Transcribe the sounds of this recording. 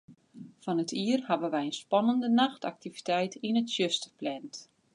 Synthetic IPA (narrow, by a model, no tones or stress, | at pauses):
fɔnətʰiərhavəʋɛjənspɑnəndənaxta̰k̚tivitɛjtinətsjøstə̥plɛnt